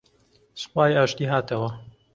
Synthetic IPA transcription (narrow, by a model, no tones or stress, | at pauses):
sxwaːjaːʃt̪iːɦaːt̪ʰɐwɐ